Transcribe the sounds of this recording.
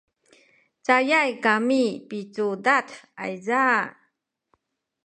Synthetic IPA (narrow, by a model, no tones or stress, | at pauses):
t͡sajajkamipit͡sudata̰jza